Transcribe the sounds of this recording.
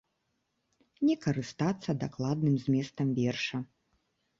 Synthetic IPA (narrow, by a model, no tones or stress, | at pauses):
nʲɛkɐɾɨst̪at̪sːɐd̪aklˠad̪̚nɨmzʲmʲɛst̪ɐmvʲɛrʂɐ